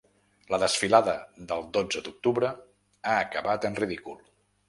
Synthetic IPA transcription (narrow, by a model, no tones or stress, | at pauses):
ləðəsfilaðəðəlˠd̪od͡zəd̪uk̚t̪uβɾə | aːkəβat̪ənriðikulˠ